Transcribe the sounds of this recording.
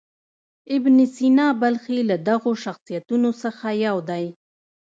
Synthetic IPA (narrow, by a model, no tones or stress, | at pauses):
ɪbnisinɑbalxelad̪aɣoʃaxsijat̪unosəxajawd̪aj